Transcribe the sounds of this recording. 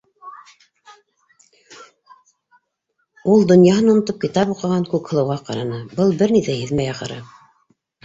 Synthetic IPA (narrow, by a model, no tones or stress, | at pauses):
ulˠd̪ŏnjɑɦɤnunɤ̆t̪op̚kit̪ɑpuqɤ̆ʁɑŋkʉkhɤ̆lˠɤ̆wʁɑqɑɾɑnɤbɤlˠbɘɾniθæhɘ̆ðmæjɑqɤ̰̆ɾɤ̰